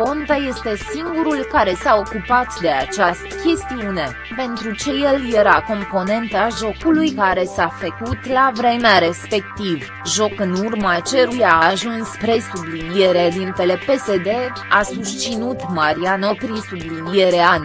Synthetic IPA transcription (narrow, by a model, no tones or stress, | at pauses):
ko̞nt̪aje̞st̪e̞siŋɡuɾulkaɾe̞sao̞kupat̪d̪e̞at͡ʃast̪ə̥kʲe̞st̪iune̞ | pe̞nt̪ɾut͡ʃe̞jelje̞ɾako̞mpo̞ne̞nt̪aʒo̞kulujkaɾe̞safəkut̪lavɾe̞meaɾe̞spe̞kt̪iv | ʒo̞kɨnurmat͡ʃe̞ɾujaːʒunspɾe̞sublinije̞ɾad̪int̪ele̞pe̞se̞d̪e̞ | asust͡ʃinut̪maɾianopɾisublinije̞ɾean